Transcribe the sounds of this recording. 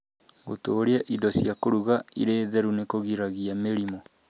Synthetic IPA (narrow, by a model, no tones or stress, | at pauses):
ɣotoːɾeaʔidɔsjakoɾuɣaḭɾeːðɛɾunekoɣiɾaɣiameɾimɔ